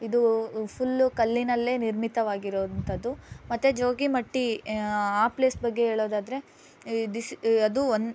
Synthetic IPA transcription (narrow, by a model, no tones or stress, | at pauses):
id̪upʰulːkɐlːinɐlːe̞ːniɾmit̪ɐʋaːɡiɾoːd̪ɐnt̪ʰɐd̪ːumɐt̪ːed͡ʒoːɡimɐʈːi | aːple̞ːsbɐɡːe̞ɦeːɭoːd̪aːd̪ɐɾe̞ | d̪isɐd̪uon